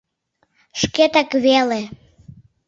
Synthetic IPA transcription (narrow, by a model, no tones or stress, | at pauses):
ʃket̪akβele